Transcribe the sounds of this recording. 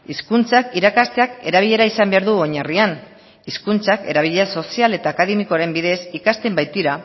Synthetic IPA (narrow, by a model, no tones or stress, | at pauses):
iskunt͡sakiɾakast̪e̞ake̞ɾaβ̞iʎe̞ɾaisambe̞aɾðuoɲarian | iskunt͡sake̞̰ɾaβ̞iʎeaso̞siale̞t̪aːkaðe̞miko̞aɾe̞mbiðe̞sikast̪e̞mbajt̪iɾa